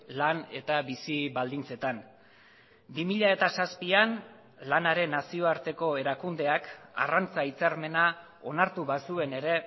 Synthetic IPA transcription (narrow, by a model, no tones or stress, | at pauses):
lane̞t̪aβisiβald̪int͡se̞t̪an | bimiʎae̞t̪asaspian | lanaɾe̞nːasio̞aɾt̪e̞ko̞e̞ɾakund̪e̞aka̰rant͡sait͡saɾme̞na | o̞naɾt̪uβasue̞ne̞ɾe̞